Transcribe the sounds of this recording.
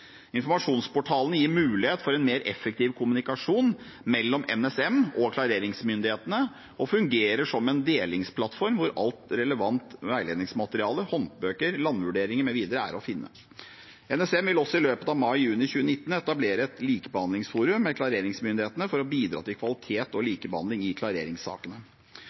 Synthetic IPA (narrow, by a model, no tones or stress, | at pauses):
ɪnfɔɾmɑʂuːnspɔʈʰɑːlənəjiːɾmʉːlɪheːt̪fɔɾɛnmeːɾʔɛ̰fːək̚t̪ʰiːʋkʰʊmʉnɪkɑʂuːn | mɛlːɔmɛ̰nɛsɛmɔkʰlɑɾeːɾɪŋsmʏnd̪ɪheːt̪ənə | ɔfʉŋɡeːɾəʂɔmːɛnd̪eːlɪŋspʰlɑt̪ːfɔɾmʋʊɾɑ̰lt̪ɾɛləʋɑnt̪ʋæɪleːd̪nɪŋsmɑt̪əɾɪɑːləhɔnt̪bøːkəɾlɑnːʋʉɖeːɾɪŋəɾmɛʋiːd̪əɾəæ̰ːɾɔfɪnːə̰ | ɛnɛsɛmʋɪlɔsːɔɪløːpət̪ɑʋmɑɪjʉːnɪçʉːənɪt̪ːən̩ɛt̪ɑbleːɾəɛt̪liːkəbəhɑnd̪lɪŋsfuːɾʉmːɛkʰlɑɾeːɾɪŋsmʏnd̪ɪheːt̪ənəfɔɾɔbiːd̪ɾɑ̰ːt̪ɪlkʰʋɑlɪt̪ʰeːt̪ɔliːkəbəhɑ̰nd̪lɪŋɪkʰlɑɾḛːɾɪŋsɑ̰ːkənə